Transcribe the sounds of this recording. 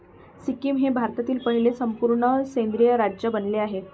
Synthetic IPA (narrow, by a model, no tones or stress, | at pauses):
sikiːmɦebʱaɾt̪at̪iːlpəɳilesəmpuɾɳəsend̪ɾijəɾad͡ʑjəbənleaɦe